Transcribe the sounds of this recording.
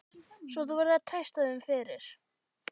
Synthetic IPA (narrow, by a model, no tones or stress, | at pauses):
svɔθuvɛɾðat̪ʰajst̪aðʏʏmfɪːɾɪɾ̥